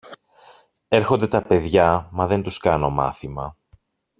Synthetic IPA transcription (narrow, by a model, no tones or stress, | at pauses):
e̞ɾxo̞nd̪e̞t̪ɐpe̞ðʝɐmɐðe̞nt̪uskɐno̞mɐ̰θimɐ̰